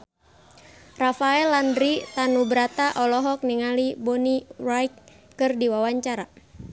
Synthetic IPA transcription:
rafaɛlːandɾit̪anubɾat̪aʔɔlɔɦɔk̚niŋalibɔnirajkː | ɨrdiwawaɲt͡ʃaɾa

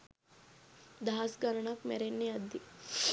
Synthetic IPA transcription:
d̪asɡɐɾɳakmḛɾenːeɐd̪ːi

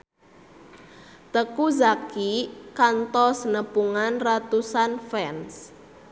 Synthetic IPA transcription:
t̪əkuzakikant̪ɔsənəpuŋanrat̪usanfɛns

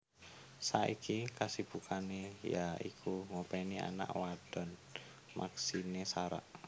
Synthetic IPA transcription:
saʔikʰikasib̥ukʰanejaikʰuŋopɛnia̰na̰ʔwad̥ɔ̤n | mʔa̰ksinesaɾa̰ʔ

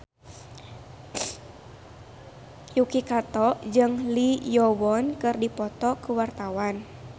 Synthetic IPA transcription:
jukikat̪ɔʔd͡ʒɨŋlijɔwɔnkɨrdipɔt̪ɔkuwart̪awan

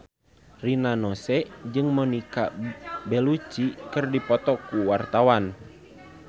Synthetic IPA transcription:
rinanɔsɛd͡ʒɨŋmɔnikabɛlut͡ʃikɨrdipɔt̪ɔkuwart̪awan

